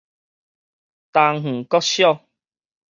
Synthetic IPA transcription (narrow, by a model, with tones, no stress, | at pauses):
t̪a˧ŋŋ̥̩˨˩kɔ˦ɕjɔ˥˧˨